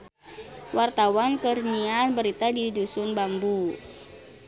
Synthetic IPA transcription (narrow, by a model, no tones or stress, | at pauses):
wʔart̪awankərɲianbəɾit̪adidusʊnbambu